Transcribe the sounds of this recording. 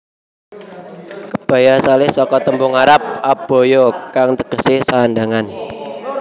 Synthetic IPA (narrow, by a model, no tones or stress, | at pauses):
kəb̥ä̤jasalɪhsɔkɔt̪əmbʊŋaɾap̚ab̥o̤jɔkaŋt̪əɡ̥ə̤sɪhsaːnda̤ŋan